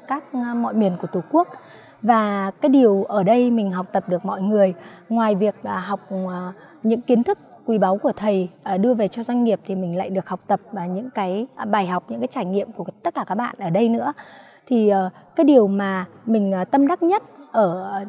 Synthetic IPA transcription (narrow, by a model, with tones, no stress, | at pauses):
kaː˦˥k̚mɔ̰˧˨jmi˧˩ənku˧˩ət̪u˨˩ku˦˥ək̚ | vaː˨˩kaː˨˦jɗi˨˩əwʔəː˧˩ɗə˧jmï˨˩ŋ̟ɦa˨˩wk͡p̚t̪ə˨˩p̚ɗɨ˨˩ək̚mɔ̰˧˨jŋɨ˨˩əjŋwaː˨˩jvi˨˩ək̚ʔɦa˨˩wk͡p̚ː | ɲɨ̰˧˥ŋki˨˦nt̪ʰɨ˦˥k̚ːwi˨˧˩ɓa˨˦wku˧˩ət̪ʰə˨˩jʔːɗɨ˧əve˨˩t͡ɕɔ˧zwa˧jŋ̟ŋi˨˩əp̚t̪ʰi˨˩mï˨˩ŋ̟la̰ː˧˨jɗɨ˨˩ək̚ha˨˩k͡p̚t̪ə˨˩p̚ːɲɨ̰˧˥ŋkaː˨˦jɓaː˨˩jɦa˨˩wk͡p̚ɲɨ̰˧˥ŋkaː˨˦jt͡ɕaː˧˩jŋḭ˧˨əmku˧˩ət̪ə˦t̚kaː˧˩kaː˦˥k̚ɓa̰ː˧˨nʔəː˧˩ɗə˧jnɨ̰˧˥ə | t̪ʰi˨˩ʔːkaː˨˦jɗi˨˩əwmaː˨˩mï˨˩ŋ̟˨˩t̪ə˧mɗa˦˥k̚ɲə˦˥t̚ʔəː˧˩